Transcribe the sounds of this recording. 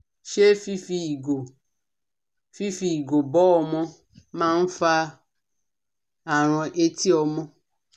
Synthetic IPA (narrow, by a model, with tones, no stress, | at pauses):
ʃe˦fi˦fi˦˨ɡo˨ | fi˦fi˦i˨ɡo˨bɔ˦ɔ˧mɔ̃˦ | mãː˦n̩˦fa˦ | a˨ɾ̃ɔ̃˨ʔe˦ti˦ɔ˧mɔ̃˦